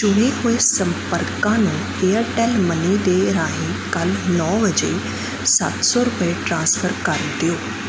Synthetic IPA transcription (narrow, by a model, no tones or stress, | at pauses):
d͡ʒʊɽ̃eːɦoːeːsəmpəɾkãːnũː | eːəɾʈɛːlməniːd̪eːɾaːɦiːkəlnɔːbəd͡ʒeː | sə̰t̪sɔːɾʊpəeːʈɾãːnspʰəɾkəɾd̪ɪjoː